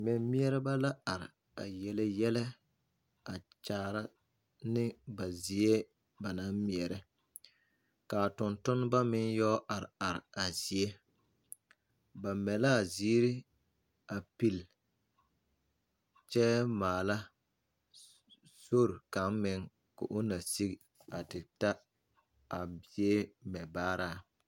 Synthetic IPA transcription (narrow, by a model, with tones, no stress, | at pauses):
mɪ˨mmi˦ɛ˦ɾɪ˦ba˦la˦a˨ɾɪ˨ | a̰˨jɛ˨lɛ˦jɛ˦lɛ˦ | a˨t͡ʃaː˦ɾa˦ | nɪ˦ba˨zi˨e˦ | ba˨na˦mmi˨ɛ˨ɾɪ˦ | kaː˨tʊ˨ntʊ˦n˦ba˦mɪ˦ŋjɔ˦ʔa˨ɾɪ̰˨a˨ɾɪ̰˨a˨zi˨e˦ | ba˨mɛ˨la˦˨ziː˦ɾɪ˦ | a˨pi˨l | t͡ʃɛ˦maː˨la˦ | so˦ɾka˨˦mmɪ˨˦ŋ | kʊ̰˨ʔʊ˦na˨si˦ɡ | a˨tɪ˨ta˦ | a˨bi˦e˦mɛ˨baː˦ɾaː˦